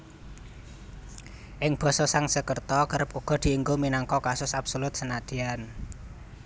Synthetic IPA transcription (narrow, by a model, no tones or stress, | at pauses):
ʔɪŋb̥ɔ̤sɔsaŋsəkərt̪ɔkəɾəp̚uɡ̥ɔ̤d̪̥i̤ːŋɡominaŋkɔkasʊsapsolʊt̪̚sənad̪̥i̤an